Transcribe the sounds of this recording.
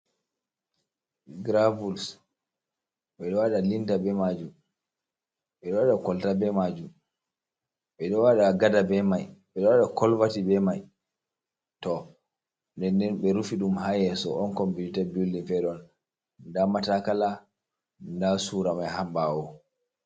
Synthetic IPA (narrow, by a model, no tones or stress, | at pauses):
ɡɾavuls | ɓɛɗɔwaɗalintabɛmad͡ʒum | ɓɛɗɔwaɗakɔltabɛmad͡ʒum | ɓɛɗɔwaɗaɡadabɛmajɓɛɗɔwaɗakɔlvatibɛmaj | tɔ | ndɛndɛnɓɛɾufiɗumhajɛsɔ̰ʔɔnkɔmbiitabulːinfɛɗɔn | ndamatakala | ndasuɾamajhambawɔ